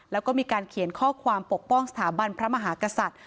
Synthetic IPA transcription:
lɛː˦˥wkɔː˥˩miː˧kaː˧nkʰi˨˩˦nkʰɔː˥˩kʰwaː˧mpo˨˩k̚pɔ˥˩ŋsa˧t̪ʰaː˩˦ba˧npʰɾa˦˥ma˧ɦaː˩˦ka˧sa˨˩t̪̚

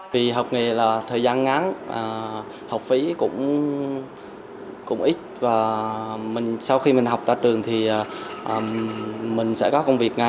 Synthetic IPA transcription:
vi˨˩ɦa˨˩wk͡p̚ŋe˨˩laː˨˩t̪ʰəː˨˩jzaː˧nŋa˨˦nʔəː˨˩ | ha˨˩wk͡p̚fi˨˦kʊ̰˧˥ŋ͡m | kʊ̰˧˥ŋ͡mʔi˦˥t̚vaː˨˩mï˨˩ŋ̟sa˧wxi˧mï˨˩ŋ̟ɦa˨˩wk͡p̚zaː˧t͡ɕɨ˨˩əŋt̪ʰi˨˩ʔːʔəː˨˩mï˨˩ŋ̟sɛ̰˧˥kɔ˨˦kə˧wŋ͡mvi˨˩ək̚ŋa˨˩

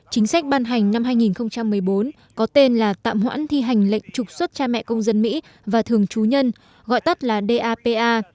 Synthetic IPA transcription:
t͡ɕï˨˦ŋ̟sa˦˥k̟̚ɓaː˧nɦa˨˩jŋ̟na˧mɦaː˧jŋi˨˩nxə˧wŋ͡mt͡ɕa˧mːɨ˨˩əjɓo˨˦n | kɔ˨˦t̪e˧nlaː˨˩t̪a̰ː˧˨mhwa̰ː˧˥nt̪ʰi˧ɦa˨˩jŋ̟lə̰˧˨jŋ̟t͡ɕʊ˨˩k͡p̚swə˦˥t̚t͡ɕaː˧mɛ̰˧˨kə˧wŋ͡mzə˧nmḭ˧˥ | vaː˨˩t̪ʰɨ˨˩əŋt͡ɕu˨˦ɲə˧n | ɣɔ̰˧˨jt̪ə˦˥t̚laː˨˩ɗe˧ʔaː˧pe˧ʔaː˧

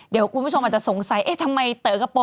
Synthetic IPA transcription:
di˩˦wku˧nʰ˧u˥˩o˧ma˨˩t͡ɕa˨so˨˩˦ŋsa˩˦jʔeː˦˥˩t̪ʰa˧mːa˧jt̪ɤː˩˦ka˧˩pɔː˧

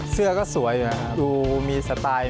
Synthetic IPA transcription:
sɯ˥˩ɐkɔː˥˩su˩˦ɐju˨˩kʰa˦˩duː˧miː˧sa˧t̪aː˧j

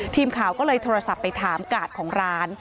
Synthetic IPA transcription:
t̪ʰiː˧mkʰaː˨˩˦wkɔː˥˩lɤː˧jt̪ʰoː˧ɾa˧sa˨˩pːa˧jt̪ʰaː˩˦mkaː˨˩t̪̚kʰɔː˩˦ŋɾaː˦˥n

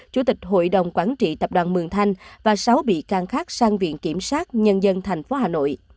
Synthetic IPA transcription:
t͡ɕu˧˩˦t̪ï˨˩k̟̚ɦo̰˧˨jɗə˨˩wŋ͡mkwaː˧˩nt͡ɕḭ˧˨t̪ə˨˩p̚ɗwaː˨˩nmɨ˨˩ŋt̪ʰa˧jŋ̟vaː˨˩sa˨˦wɓḭ˧˨kaː˨˩ŋxaː˦˥k̚saː˧ŋvḭ˧˨ənki˧˩əmswaː˦˥t̚ɲə˧nzə˧nt̪ʰɛ˨˩jŋ̟fo˨˦ɦaː˨˩no̰˧˨j

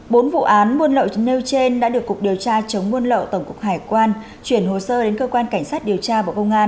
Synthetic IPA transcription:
ɓo˨˦nvṵ˧˨ʔaː˨˦nmu˧ənlə̰˧˨wne˧wt͡ɕe˧nɗa̰ː˧˥ɗɨ˨˩əkːʊ˨˩k̚ɗi˨˩əwt͡ɕaː˧t͡ɕə˨˦wŋ͡mmu˧ənlə̰˧˨wt̪ə˧˩ŋ͡mkʊ˨˩k̚ɦaː˧˩jkwaː˧n | t͡ɕwi˧˩ənɦo˨˩səː˧ɗe˨˦nkəː˧kwaː˧nka˧˩jŋ̟saː˦˥t̚ɗi˨˩əwt͡ɕaː˧vəː˧˩kə˧wŋ͡mʔaː˧n

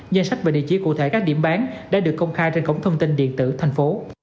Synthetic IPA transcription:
zə˧nsa˦˥k̚vaː˨˩ɗḭ˧˨t͡ɕi˧˩˦kṵ˧˨t̪ʰe˧˩˦kaː˦˥k̚ɗḭ˧˩əmɓaː˨˦nɗa̰ː˧˥ɗɨ˨˩əkːə˧wŋ͡mxaː˧jt͡ɕe˧nkə˧˥˩wŋ͡mt̪ʰə˧wŋ͡mt̪i˧nɗḭ˧˨ənt̪ɨ̰˧˩˨t̪ʰa˨˩jŋ̟fo˨˦

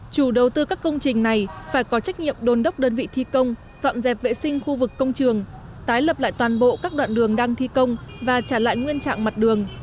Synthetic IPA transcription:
t͡ɕu˧˩ɗə˨˩wt̪ɨ˧kaː˦˥kːə˧wŋ͡mt͡ɕï˨˩ŋ̟na˨˩jfaː˧˩jkɔ˨˦t͡ɕa˦˥jk̟̚ɲḭ˧˨əmɗo˧˩nɗə˦˥wk͡p̚ɗəː˧nvḭ˧˨t̪ʰi˧kə˧wŋ͡m | z̥ɔ̰˧˨nzɛ˨˩p̚vḛ˧˨sï˧ŋ̟xu˧vɨ˨˩kːə˧wŋ͡mt͡ɕɨ˨˩əŋ | t̪aː˨˦jlə˨˩p̚la̰ː˧˨jt̪waː˨˩nɓo̰˧˨kaː˦˥k̚ɗwa̰ː˧˨nɗɨ˨˩əŋɗaː˧ŋt̪ʰi˧kə˧wŋ͡mvaː˨˩t͡ɕaː˧˩la̰ː˧˨jŋwi˧ənt͡ɕa̰ː˧˨ŋma˨˩t̚ɗɨ˨˩əŋ

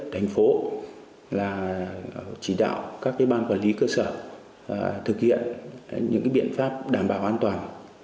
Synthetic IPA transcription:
t̪ʰa˨˩jŋ̟fo˨˦ | laː˨˩ | t͡ɕi˧˩ɗa̰ː˧˨wkaː˦˥k̚ka˨˦jɓaː˧nkwaː˧˩nli˨˦kəː˧səː˧˩ | t̪ʰɨ˨˩k̚hḭ˧˨ənɲɨ̰˧˥ŋkaː˨˦ɓḭ˧˨ənfaː˦˥p̚ɗaː˨˩mɓaː˧˩wʔaː˧nt̪waː˨˩n

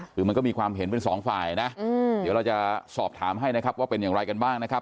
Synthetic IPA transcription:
ɯː˨˩˦m˧nkɔː˥˩iː˧kʰwaː˧mɦe˩˦npe˧nsɔː˩˦ŋfa̰ː˨˩jna˦˥˧di˩˦wɾa˧wt͡ɕa˨˩sɔː˨˩p̚t̪ʰaː˩˦mɦa˥˩jna˦˥kʰa˦˥p̚waː˥˩pe˧njaː˨˩ŋɾa˧jka˧nbaː˥˩ŋna˦˥kʰa˦˥p̚

